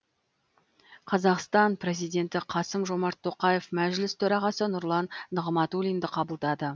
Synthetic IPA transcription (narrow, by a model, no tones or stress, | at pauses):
qʰɑzɑqst̪ɑnpɾe̞zijd̪e̞nt̪ɪqʰɑsəmʒo̞mɑɾt̪ʰːo̞qɑjefmæʒlɪst̪ʰɵɾɑʁɑsənʊɾlˠɑnːəʁmɑt̪ulijnd̪ɪqʰɑbəlˠd̪ɑd̪ə